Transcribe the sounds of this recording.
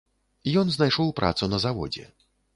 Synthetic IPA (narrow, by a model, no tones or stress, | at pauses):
ijɔnznajʂɔwpɾa̰t̪sunɐzavɔ̰d͡zʲɛ̰